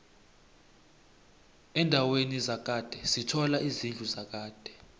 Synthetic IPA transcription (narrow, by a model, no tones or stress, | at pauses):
ɛndʱawenizak̬ʼad̥ʱɛsitʰɔlaʔizind͡ɮʱuzak̬aːd̥ʱɛ